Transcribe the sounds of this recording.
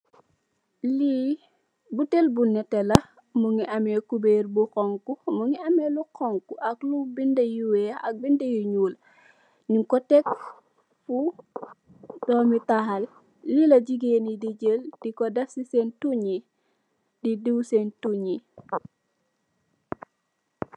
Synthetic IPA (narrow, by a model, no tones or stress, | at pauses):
li | butelbunɛtːɛlɐ | muŋiʔɐmɛkubeːɾbukɔŋkumuŋiɐmɛlukɔŋkuʔɐklubindɐjuwɛɐk̚bindɐjuɲuːl | niŋkɔtɛk | fu | d̥ɔːmitahɐlː | ilɐɟiɡenidiɟəld̥ikɔdɐfsisɛntuɲi | didiwsentuɲi